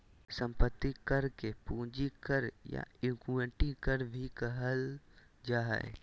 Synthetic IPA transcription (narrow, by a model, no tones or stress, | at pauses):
sə̃mpət̪ːikɐɾkepũːd͡ʒikəɾja̰ɪɡuəʈikəɾbʱikəɦəl | d͡ʒaːɦḛ